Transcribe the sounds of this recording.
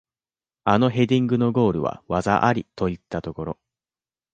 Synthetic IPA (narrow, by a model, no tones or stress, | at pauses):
ano̞ɦe̞d̪ʲĩŋɡɯ̟no̞ɡo̞ːɾɯ̟βa̰βaza̰ʔaɾʲit̪o̞it̪ːat̪o̞ko̞ɾo̞̰